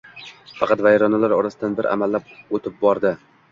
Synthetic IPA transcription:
fɑqʰɑt̪vajɾɒnalaɾɒɾasɪd̪anbɪɾʔa̰malːap̚ot̪ʰɪp̚bɒɾd̪ɪ

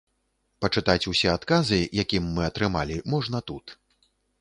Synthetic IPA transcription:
pɐt͡ʂɨt̪at͡sʲusʲɛat̪kazɨjakʲimːɨɐt̪ɾɨmalʲimɔʐnɐt̪ut̪

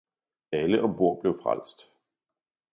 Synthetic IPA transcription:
æləʔɒ̽b̥o̝ɐ̰b̥le̝ʊfʁa̰l̰sd̥

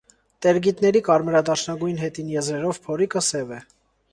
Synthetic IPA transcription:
t̪ɛɾɡit̪nɛɾikɑɾməɾɑd̪ɑɾʃnɑɡujnɦɛt̪injɛzɾɛɾɔvpʰɔɾikəsɛvɛ

